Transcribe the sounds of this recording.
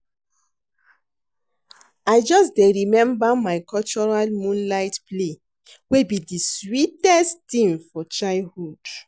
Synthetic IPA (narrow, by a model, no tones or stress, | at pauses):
aɪd͡ʒɔsdeɹimɛ̃mbamaɪkɔlt͡ʃɔɹalmũnlaɪtple | webidiswitɛsttĩmfɔt͡ʃahud̥